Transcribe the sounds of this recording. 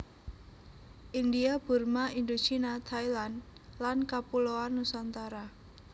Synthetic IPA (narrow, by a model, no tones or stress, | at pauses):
ʔind̪iab̥ṳrmaind̪ut͡ʃinat̪ʰailanlankapuloanusant̪aɾa